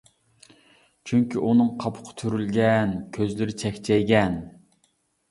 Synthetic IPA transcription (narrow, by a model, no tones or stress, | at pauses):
t͡ʃʰyŋkʲiʔunɨŋqʰɑpʰʊ̥qʰɑ̥t̪ʰyɾylɡʲɛnkʲʰøzlɪɾɪt͡ʃʰɛkʲt͡ʃʰɛjɡʲɛn